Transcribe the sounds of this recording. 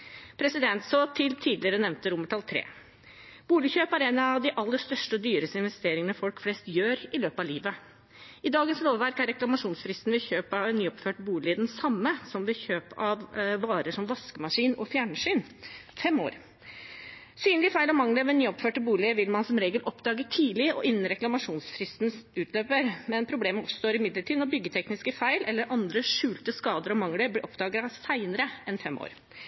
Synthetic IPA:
pʰɾɛsɪd̪ɛnt̪soːt̪ʰɪlt̪ʰiːd̪lɪəɾənɛʋnt̪əɾʊmːəʈʰɑlt̪ʰɾḛː | b̥uːlɪçøːpæɾɛnɑʋd̪ɪʔɑlːəst̪œʂʈəɔd̪yːɾəst̪əɪnʋɛst̪eːɾɪŋənəfɔlkflɛst̪jøːɾɪløːpɑliːʋə | ɪd̪ɑːɡənsloːʋʋæɾkæɾɛklɑmɑʂuːnsfɾɪst̪n̩ʋɪçøːpɑʋnːyːɔpføːʈəbuːlɪɪd̪ɛnsɑmːəsɔmʋɪçøːpɑʋːɑːɾəʂɔmʋɑskəmɑʂiːnɔfjæːɳəʂyːnfɛmːo̰ːɾ | syːnlɪəfæɪlɔmɑŋləɾɑʋɛnnyːɔpføːʈəbuːlɪəʋɪlmɑnsɔmɾeːɡəlʔɔpd̪ɑːɡət̪ʰiːlɪəʔɔ̰ʔɪnːən̩ɾɛklɑmɑʂuːnsfɾɪst̪nsʉːt̪ʰløːpəɾmɛnpʰɾʊbleːməɔpsɔ̥st̪oːɾɪmɪd̪ləʈiːd̪nɔbʏɡːət̪ʰɛknɪskəfæɪlʔɛlːəɾʔɑnd̪ɾəʂʉːlt̪əskɑːd̪əɾɔmɑŋləɾblɪʔɔpd̪ɑːɡəɑʋsæɪnəɾəɛnfɛmːo̰ːɾ

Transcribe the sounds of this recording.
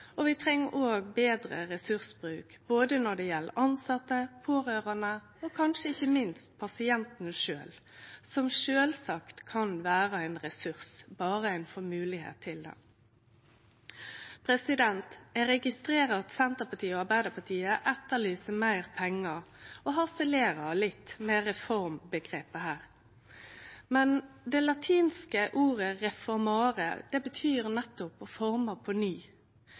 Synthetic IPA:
ɔʋɪt̪ʰʁɛŋːəʔoːɡbeːd̪ɾə̰ʁɛsʉʁsbʁʉːkb̥oːd̪ənɔd̪ɛjɛlːə̰ʔɑnsɑt̪ːəpʰoːʁøːʁɑnə | okʰɑnʃəɪçːəmɪnst̪̚pʰɑsɪɛnt̪nəʂø̰ːl | sɔmʃøːlsɑkt̪kʰɑnʋæːʁəæɪnʁɛsʉʁsbɑːʁəæɪnfɔmʉːlɪhḛːt̪ʰːɪld̪ɛ̰ | pʰɾɛsɪd̪ɛnt̪æɾɛɡɪst̪ɾeːʁɑɑt̪sɛnt̪əpɑt̪ʰiːoɑʁbæɪd̪əpʰɑt̪ʰiːəʔɛt̪ːəlyːsəmæɪʁpʰɛŋːəoːɦɑsɛleːʁɑlɪt̪ːmɛʁɛfɔʁmbəɡʁeːpəhæːʁ | mɛnd̪ɛlɑt̪ʰiːnskəʔuːʁəʁɛfɔʁmɑːʁə̰d̪̥ɛbət̪ʰyːʁnɛt̪ːʊpɔfɔʁməpʰɔnyː

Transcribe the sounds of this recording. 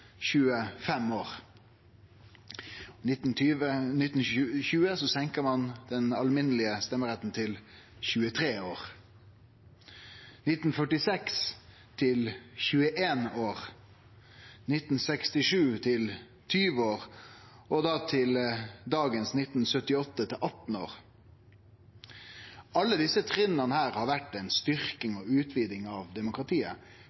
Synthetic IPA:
çʉːəfɛmoːʁ | nɪt̪nt̪ʰyːənɪt̪n̩çʉːəsɔsɛŋkəmɑnd̪̥ɛnɑlmɪnəlɪəst̪ɛmːəʁɛt̪n̩t̪ʰɪl | çʉːət̪ʰʁeːoːʁ | nɪt̪n̩fœʈɪsɛks | t̪ʰɪlçʉːəʔeːnoːʁ | nɪt̪n̩sɛkst̪ɪʂʉːt̪ʰɪl | t̪ʰyːʋoːʁ | ʔɔd̪ɑːt̪ʰɪld̪ɑːɡənsnɪt̪n̩sœt̪ɪɔt̪ːət̪ʰɪlʔɑt̪n̩o̰ːʁ | ɑlːəd̪ɪsət̪ʰʁɪnənəhæːɾhɑːɾʋæʈːɛɪnst̪ʏʁkɪŋɔːʉːt̪ʰʋiːd̪ɪŋɑːʋd̪ɛmʊkɾɑt̪ʰiːə̰

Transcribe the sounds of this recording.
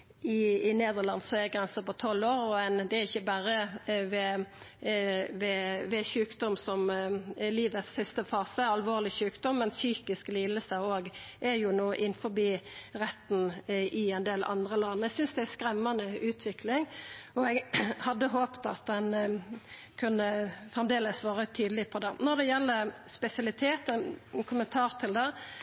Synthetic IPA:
ɪɪneːd̪əʁlɑnsɔɛɡʁɛnsəpɔt̪ʰɔloːɾɔɛnd̪ɛæʁɪçːəbæːɾəʋɛ | ʋɛʋɛçʉːkd̪ɔmsɔmliːʋət̪ssɪst̪əfɑːsəɑlʋoːʁlɪçʉːkd̪ɔmːɛnsyːkɪskliːd̪əsəoːɡʔɛɾjʊnoːʔɪnfɔbiːʁɛt̪ːnʔɪɛnd̪eːlʔɑ̰nd̪ʁəlɑnːɛɡsʏnsd̪ɛæskɾɛmːɑnəʉːt̪ʰʋɪklɪŋɔɛɡhɑd̪ːəɦoːpt̪ɑt̪̚d̪ɛn | kʰʉnːəfʁɛmd̪eːləsʋɑːʁət̪ʰyːd̪əlɪpʰɔd̪ɛnɔʁd̪ɛjɛlːəspɛsɪɑlɪt̪ʰeːt̪ənɛnkʰʊmənt̪ʰɑːʁt̪ʰɪld̪ɛ

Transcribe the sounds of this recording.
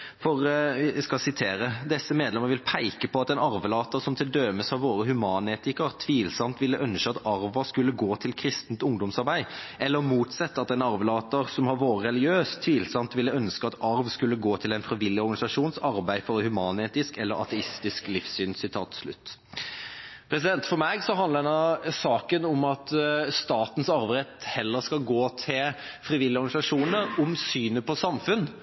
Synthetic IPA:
fɔʁskɑsɪt̪ʰeːɾəd̪ɛsːəmeːd̪lɛməɾʋɪlpʰæɪkəpʰɔɑt̪ɛɪnɑɾʋəlɑːt̪əʁsɔmt̪ʰɪld̪øːməsɑʋʋoːɾəhʉmɑːneːt̪ɪkəʁt̪ʰʋiːlsɑmt̪ʋɪlːəʔœnʃəɑt̪ɑɾʋəskʉlːəɡoːt̪ʰɪlkʰɾɪst̪nt̪ʊŋd̪ɔmsɑɾbæɪʔɛlːəɾmuːt̪sɛt̪ːɑt̪ɛnɑɾʋlɑːt̪əɾsɔmhɑʋoːɾəɾɛlɪɡɪøːst̪ʰʋiːlsɑmt̪ʋɪlːəœnskəɑt̪ɑɾʋskʉlːəɡoːt̪ʰɪlɛɪnfɾɪʋɪlːɪɔɾɡɑnɪsɑʂuːnsɑɾbæɪfɔɾhʉmɑːneːt̪ɪskɛlːəɾɑ̰t̪ʰɛɪst̪ɪsklɪfsyːnsɪt̪ʰɑ̰ːt̪slʉ̰t̪ː | pʰɾɛs̬ɪd̪ɛnt̪fɔɾmæɡsɔɦɑnd̪ləd̪ɛnɑsɑːkənɔmɑt̪st̪ɑːt̪n̩sɑɾʋɾɛt̪hɛlːəskɑɡoːt̪ʰɪlfɾɪʋɪlːɪɔɾɡɑnɪsɑʂuːnəɾʊmsyːnəpʰɔsɑmfʉn

